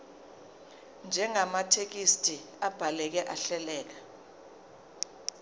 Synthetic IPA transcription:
nd͡ʒʱɛŋamatʰek̬istʼi | ab̥ʱalɛk̬ɛʔaɬɛlɛːk̬a

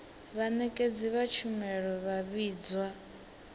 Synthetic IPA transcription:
βanɛkʼed͡ziβat͡ʃʰumɛɺɔβaβiːd͡zwa

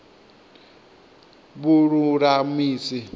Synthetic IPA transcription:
buɾuɾamiːsi

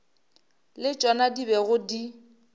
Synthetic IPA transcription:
lɪt͡ʃʼwɔnadibɛɣʊdi

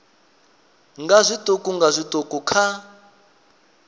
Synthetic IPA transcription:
ŋɡazʷitʼokʼuŋɡazʷitʼokʼukʰa

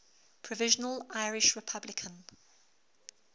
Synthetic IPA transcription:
pʰɹ̥əvɪʒənəlʔaɪɹɪʃɹɪpʰablɪkʰə̃n

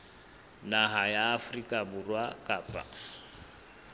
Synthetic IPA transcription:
naɦajaːfrikʼaburwakʼaːpʼa̰

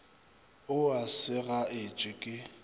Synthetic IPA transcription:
ʊasɪɣaɪt͡ʃʼɪkʼɪ

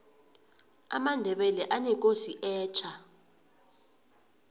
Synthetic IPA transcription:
a̰mandʱɛɓɛlɛʔanik̬ʼoziʔɛːt͡ʃʰa

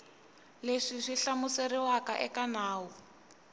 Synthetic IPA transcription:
leʂiʂiɬamuseriwaka̰ʔɛkanaːwu

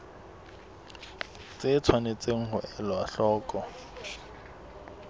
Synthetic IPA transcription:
t͡sɪt͡sʰwanet͡sʼeŋ̩hʊʔɛlɔaɬɔːkʼɔ

